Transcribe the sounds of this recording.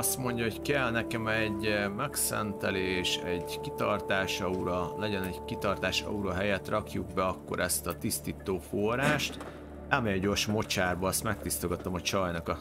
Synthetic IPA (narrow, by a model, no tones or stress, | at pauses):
ɒst̪mo̞ɲɟɒɦo̞ckɛlnɛkɛmɛɟmɛksɛ̰nt̪ɛleːʃɛɟkit̪ɒrt̪aːʃɒuɾɒlɛɟɛnɛɟkit̪ɒrt̪aːʃɒ̰uɾɒɦɛjɛt̪rʔɒkjuɡ̚bɛɒkːo̞̰ɾʔɛst̪ɒt̪ist̪iːt̪oːfo̞raːʃt̪ | ɛmɛjɛɟo̞rʃmo̞t͡ʃaːrbɒɒst̪mɛk̚t̪ist̪o̞ɡɒt̪o̞mɒt͡ʃɒjnɒkɒ